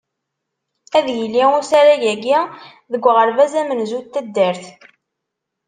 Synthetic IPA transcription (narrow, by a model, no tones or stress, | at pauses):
æðjəlːiʊsæɾæjæɡi | ðəɡʷːʁəɾvæzæmənzut̪ːæd̪ːəɾθ